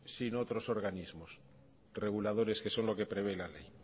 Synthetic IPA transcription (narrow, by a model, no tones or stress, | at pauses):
sino̞t̪ɾo̞so̞ɾɣ̞anizmos | re̞ɣ̞ulað̞o̞ɾe̞ske̞so̞nlo̞ke̞pɾe̞βe̞lalḛj